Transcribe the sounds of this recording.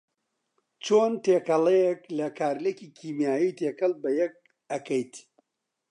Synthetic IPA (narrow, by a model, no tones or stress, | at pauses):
t͡ʃoːnt̪eːkɐlɛjeklɐkʰaːɾlekiːkʰiːmjaːjiːt̪ʰeːkɐlˠbɐjɛk̚ | ɐkʰɐjt̪